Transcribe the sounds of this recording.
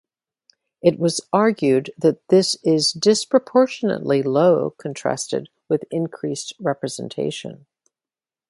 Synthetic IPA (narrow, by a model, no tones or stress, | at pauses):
ɨt̚wʌzɑɹɡjʉd̪̚ðɨt̪̚ðɪsɪzdɪspɹ̥əpʰɔɹʃɨnə̰ʔˡliloʊkʰɨ̃ntʰɹ̥æ̰stɨ̰d̚wɨðɪ̃nkʰɹ̥ist̚ɹɛpɹɨz̥ɨ̰̃n̩tʰḛɪʃɨ̰̃n